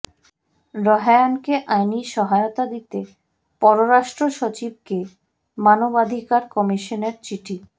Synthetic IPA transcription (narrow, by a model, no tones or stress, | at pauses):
ɾɔɦajankeʔajniʃɔɦaeot̪ad̪it̪e | pɔɾoɾaʃʈɾoʃot͡ɕib̚ke | manobad̪ʱikaɾkɔmiʃoneɾt͡ɕiʈʰi